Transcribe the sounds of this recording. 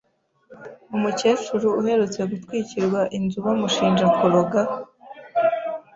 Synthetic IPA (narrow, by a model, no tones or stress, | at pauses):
umuce̞ːt͡ʃuɾuuhe̞ɾut͡se̞ɡutwiːciɾɡwaʔinzuβamuʃiːnd͡ʒakuɾoɡa